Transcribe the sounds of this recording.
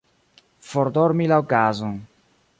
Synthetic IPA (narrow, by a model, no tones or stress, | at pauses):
foɾd̪oɾmilaokazoŋ